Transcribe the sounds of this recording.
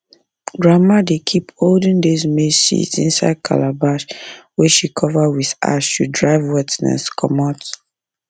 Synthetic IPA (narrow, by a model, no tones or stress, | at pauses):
ɡɹamadekʰipholdĩŋdizmesḭtḭ̃nsa̰ɪd̚kʰa̰labaʃwɛʃikʰɔvəwiða̰sʃudɹaɪvwɛtnɛ̰skʰɔmɔt